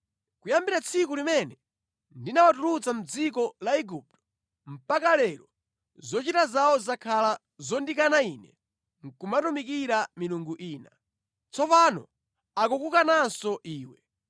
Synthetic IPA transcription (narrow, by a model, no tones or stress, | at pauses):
kujambiɾat͡sʰikulimɛnɛ | ndinawatuɾut͡sam̩d͡zik̬ɔlaiɡup̚tɔ̥ | m̩pakalɛɾɔ | zɔt͡ʃitazawɔzakʰala | zɔndikanainɛ | ŋkumatumikiɾamiluŋɡuʔiːna | t͡sʰɔpanɔ̰ | ak̬ukukanasɔʔiːwɛ